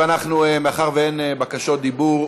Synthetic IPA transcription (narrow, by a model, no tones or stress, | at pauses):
anaχnumeaχaʁveenebakaʃot̪̚d̪ibuʁ